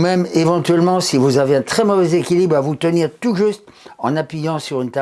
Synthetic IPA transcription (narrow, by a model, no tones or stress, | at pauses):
mɛmevɑ̃t̪ɥɛlmɑ̃sivuzaveɛ̃t̪χɛmɔvɛzekʲilibʁavut̪əniʁt̪uʒyst̪ | ɑ̃napɥijɑ̃syʁynt̪a